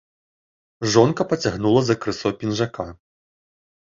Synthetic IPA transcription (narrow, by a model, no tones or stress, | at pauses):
ʐɔnkɐpɐt͡sʲaɣnulˠɐzɐkɾɨsɔwpʲinʐaka